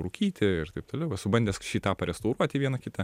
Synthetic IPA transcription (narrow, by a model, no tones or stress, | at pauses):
ɾʊkʲiːt̪ʲɪɪrt̪ɐɪp̚t̪oːlʲɛʊʋɐsʊbɐnʲd̪ʲɛsʃʲiːt̪ɑːpɐɾʲɛst̪ɐʊɾuɔt̪ʲiːʋʲiɛnɐkʲɪt̪ɐ